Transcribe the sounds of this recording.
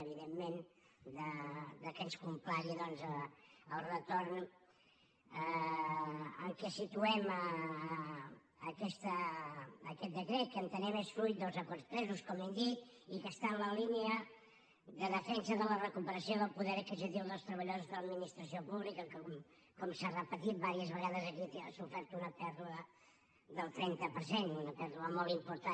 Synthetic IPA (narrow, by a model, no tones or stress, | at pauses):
əβiðemːen | d̪əd̪əkənskumplaɾiðɔnzəəlˠrət̪orn | ə | əŋkɛsit̪uɛmə | kɛst̪əː | kɛt̪̚d̪əkɾet̪̚kənt̪ənɛmesfɾuj̪̚d̪əlˠzəkɔrspɾɛzuskɔmɛnd̪it̪ | ikəst̪anləlineə | ðəðəfɛnsəðələrəkupəɾəsioðəlˠpuðɛɾəkzzəðilˠðəlˠst̪ɾəβ̞əʎozuzðələd̪minist̪ɾəsiopuβlikəkɔm | kɔmsarəpət̪it̪̚baɾiəzβəɣaðəzəkit̪əsufɛɾt̪unəpɛɾðuə | ðəlˠt̪ɾɛnt̪əpəɾsenunəpɛɾðuəmolˠt̪impuɾt̪a